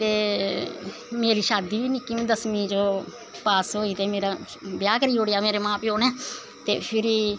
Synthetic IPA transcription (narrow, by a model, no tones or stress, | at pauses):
t̪eː | meːɾiːʃaːd̪iːʋiːnɪkːimẽd̪əsmĩːd͡ʒoː | paːsɦoːiːt̪eːmeːɾaː | bjaːkəɾiːɦoːɽejaːmeːɾeːmãːpioːneː | t̪ḛːpʰɪɾiː